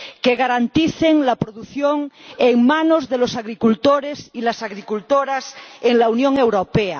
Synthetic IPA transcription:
keɣaɾant̪iθeŋlapɾoðuθjoŋeŋmãnozðelosaɣɾikult̪oɾesilasaɣɾikult̪oɾaseŋlaunjõŋewɾopea

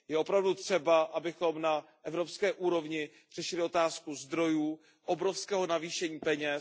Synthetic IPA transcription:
jɛʔo̞pɾavdut̪r̝̥ɛbaʔabɪxo̞mna | ʔɛvɾo̞pskɛːʔuːɾo̞vɲɪ | r̝̥ɛʃɪlɪo̞t̪aːskuzd̪ɾo̞juː | ʔobɾo̞fskɛːɦo̞naviːʃɛɲiːpɛɲɛ

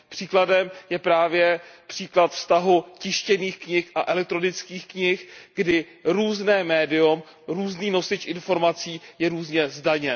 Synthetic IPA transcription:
pr̥iːkladɛmjɛpɾaːvjɛpr̥iːklat̪fst̪aɦucɪʃcɛniːxkɲɪxʔaʔɛlɛk̚t̪ɾo̞nɪt͡skiːxkɲɪxɡ̥dɪ | ɾuːznɛːmɛːdɪum | ɾuːzniːno̞sɪt͡ʃʔɪnfo̞ɾmat͡siːjɛɾuːzɲɛzdaɲɛ

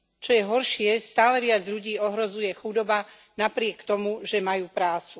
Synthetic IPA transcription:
t͡ʃɔjɛɦɔɾʃɪɛst̪aːlɛʋɪad͡zʎuɟiːɔɦɾɔzujɛxud̪ɔba | napɾɪɛkt̪ɔmuʒɛmajuːpɾaːt͡su

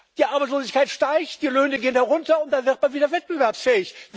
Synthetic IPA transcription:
d̥iːʔaɐbaɪt͡ssloːzɪçkʰaɪtʃtaɪçtd̥iːløːnəɡeːənhɛʁʊntɐʊntd̥anvɪʁt̚manviːdɐvɛt̚b̥əvɛɐpsfɛːɪçv

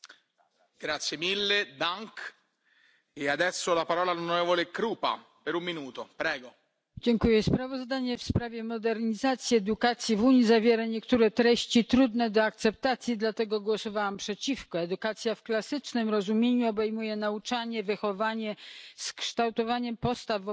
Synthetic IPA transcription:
ɡ̥ɾat̪sjemilːed̪aŋk | ead̪ɛsːolapaɾɔːlaːlonoɾɛvolekɾuːpa̰ | peɾumːinuːt̪opɾɛːɡo | d͡ʑɛŋkujɛspɾavɔzd̪aɲɛfspɾavʲjɛmɔd̪ɛɾɲizat̪sʲjiɛd̪ukat̪sʲjivuɲizavʲjɛɾaɲɛkt̪uɾɛt̪ɾɛɕt͡ɕit̪ɾud̪nɛd̪ɔak̚t̪sɛp̚t̪at̪sʲjid̪lat̪ɛɡɔɡwɔsɔvawampʂɛt͡ɕifkɔɛd̪ukat̪sʲjafklasɘt͡ʂnɘmɾɔzumʲjeɲuɔbɛjmujɛnaut͡ʂaɲɛvɨxɔvaɲɛskʂt̪awt̪ɔvaɲɛmpɔst̪av

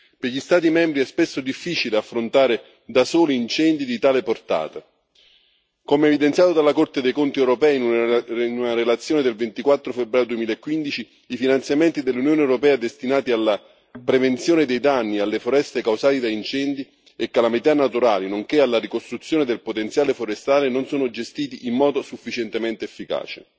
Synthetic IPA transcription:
peʎist̪aːt̪̬imɛmbɾiɛspesːod̪ifːiːt͡ʃileafːɾont̪aːɾe | d̪asoːliːnt͡ʃɛnd̪id̪it̪aːleport̪a̰ːt̪a | komeːvid̪ent̪sjaːt̪od̪alːakort̪ed̪ejkont̪iɛwɾopɛːinununaɾelat̪sjoːned̪elvent̪ikwat̪ːɾofebːɾaːjod̪uemiːlaekːwind̪it͡ʃi | ifinant̪sjament̪id̪elːunjoːneɛwɾopɛːad̪est̪inaːt̪ialːa | pɾevent̪sjoːnɪd̪ejd̪anːialːefoɾɛst̪ekawsaːt̪id̪aint͡ʃɛnd̪i | ekːalamit̪anːat̪uɾaːlinoŋkealːarikost̪ɾut̪sːjoːned̪elpot̪ent̪sjaːlefoɾest̪aːlenonsoːnʊd͡ʒest̪iːt̪iʔimːɔːd̪osufːit͡ʃɛnt̪emɛnt̪eefːika̰ːt͡ʃe

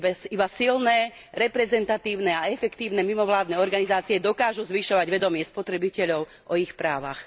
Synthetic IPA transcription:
bɛsibasilnɛː | ɾɛpɾɛzɛnt̪at̪iːʊnɛaɛfɛkt̪iːʊnɛmimɔʋlaːd̪nɛɔɾɡanizaːt͡siɛd̪ɔkaːʒuzʋiʃɔʋaɟʋɛd̪ɔmɪɛspɔt̪ɾɛbicɛʎɔʊ | ʔɔixpɾaːʋa̰x

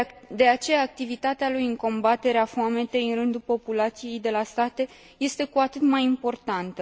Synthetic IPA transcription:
d̪e̞at͡ʃe̞jaːk̚t̪ivit̪at̪ealujɨŋko̞mbat̪e̞ɾeafoame̞t̪e̞jɨnrɨnd̪upo̞pulat̪sije̞jd̪e̞last̪at̪e̞ | je̞st̪e̞kuat̪ɨt̪majimpo̞rt̪ant̪ə

